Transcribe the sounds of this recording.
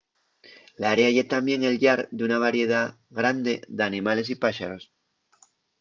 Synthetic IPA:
laɾeaʝe̞t̪ambje̞ŋe̞lʎaɾd̪eunaβaɾje̞ða | ɣɾand̪e̞̰ðeanĩmale̞s̬ipaʃaɾo̞s

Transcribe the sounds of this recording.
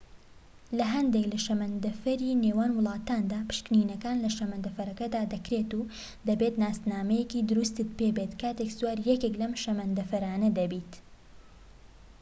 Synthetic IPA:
lɐɦɐnd̪eklɐʃɐmɐnd̪ɐfɐɾiːneːwaːnwʊlˠɑːt̪aːnd̪aːpɨ̥ʃkniːnɐkaːnlɐʃɐmɐnd̪ɐfɐɾɐkɐd̪aːd̪ɐkɾeːt̪u | d̪ɐbet̪naːst̪naːmɐjekiːd̪ʊɾust̪ɨt̪̚pebet̪kʰaːt̪ekzuaːɾjɛkeklɐmʃɐmɐnd̪ɐfɐɾaːnɐd̪ɐbiːt̪

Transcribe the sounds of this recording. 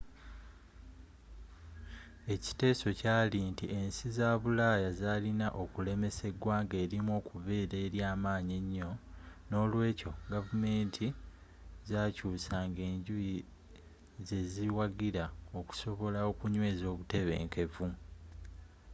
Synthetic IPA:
e̞ci̥te̞ːso̞caːlintḭʔe̞nsizaːβulaːjazaːlinaʔo̞kule̞me̞se̞ɡwaːŋɡe̞ːɾimwo̞ːkuβe̞ːɾe̞ɾjaːmaːɲeɲːo̞no̞ːlwe̞ːco̞ɡavume̞ːntʰi | zaːcuːsaːŋɡe̞ːɲɟuji | ze̞ziwaɡiɾao̞ku̥so̞βo̞laokuɲwe̞ːzo̞ːβute̞βe̞̰ːŋke̞vu

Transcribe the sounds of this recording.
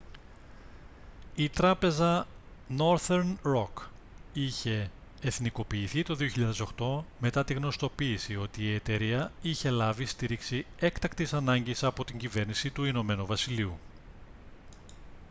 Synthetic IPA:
it̪ɾɐpe̞zɐ | no̞ɾθeɾnɾo̞k | içe̞ː | θniko̞piːθit̪o̞ðio̞çiʎɐðe̞so̞xt̪o̞me̞t̪ɐt̪iɣno̞st̪o̞piːsio̞t̪iːe̞t̪e̞ɾiɐiçe̞lɐvist̪iɾiksie̞kt̪ɐkt̪isɐnɐɲɟisɐpo̞t̪iɲɟive̞ɾnisit̪uino̞me̞nuvɐsiliu

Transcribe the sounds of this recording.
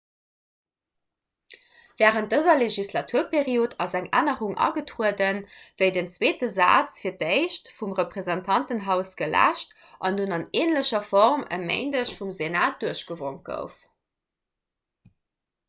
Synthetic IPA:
v̥ɛːʁənt̚dəzɐleʒislɑtʰuɐpʰeʁioːtʰɑzæŋa̰ːnəʁuŋʔɑ̰ɡətʁuədənvəɪdənt͡sweːtəza̰ːt͡sfiːɐteɪʃtfumʁəpʁ̥ezɑntʰɑntənɦæʊsɡ̥əlæ̰ːʃt | ʔɑndunɑneːnləɕɐfɔʁmə̰mḛɪndəɕfumzenaːt̚d̥uɐəɕɡ̥əvoŋt̚ɡ̥ə̰ʊf

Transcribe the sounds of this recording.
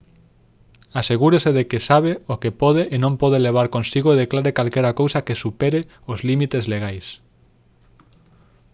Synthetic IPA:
aseɣuɾeseðekɪsaβ̞eokepɔðeʔːnõmpɔð̞eleβ̞aɾkõnsiɣoeðeklaɾekalkɛjɾakowsɐkesupɛɾe | ozlimit̪ezleɣajs

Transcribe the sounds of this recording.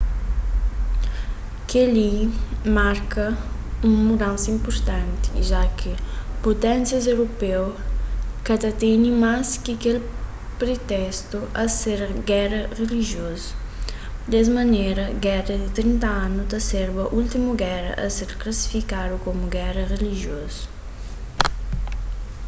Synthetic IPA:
kalimaɾkɐ | uŋmud̪ãnsĩmpuɾt̪ãnt̪i̥ʒakʰɪpot̪ɛ̃nsjɐzewɾopew | kad̪ɐt̪eɲĩmaskɪkel | pɾet̪ɛst̪uʔɐseɾɡɛɾɐreliʒjoz | d̪ɛz̬mɐneɾɐɡɛrɐd̪ɪt̪ɾint̪ɐãnut̪ɐseɾbɐʔult̪imuɡɛɾɐ̰ʔɐseɾklɐsi̥fikad̪ukomuɡɛɾɐreliʒjoz̥

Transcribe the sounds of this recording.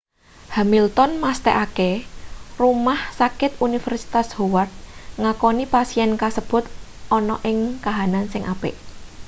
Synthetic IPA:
hamilt̪ɔnmast̪ɛʔakerumahsakɪt̪̚unifɛrsi̥t̪ashowart̪̚ŋakɔnipasiɛnkasəb̥ʊ̤t̪ʔɔnɔʔɪŋkaɦanansɪŋʔapɪ̰ʔ

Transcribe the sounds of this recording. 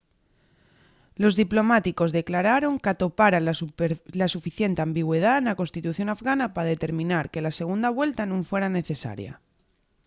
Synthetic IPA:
lo̞zðiplo̞mat̪iko̞zðe̞klaɾaɾo̞ŋkat̪o̞paɾa | lasufiθje̞nt̪eambiɣwe̞ð̞aenako̞nst̪it̪uθjo̞nafɣanapaðe̞t̪e̞ɾmĩnaɾke̞lase̞ɣ̞und̪aβ̞we̞lt̪anũɱfwe̞ɾane̞θe̞sa̰ɾja̰

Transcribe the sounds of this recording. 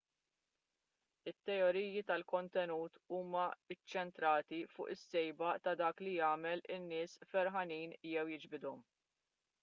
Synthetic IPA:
ɪt̪ːɛɔɾiːjit̪ɐlkɔnt̪ɛnuːt̪uːmɐɪt͡ʃːɛnt̪ɾɐːt̪ifʊ̰ːʔɪsːɛjbɐt̪ɐd̪ɐːklijɐːmɛlɪnːɪːsfɛɾɦɐniːnjɛwjɪd͡ʒbɪd̪ɔm

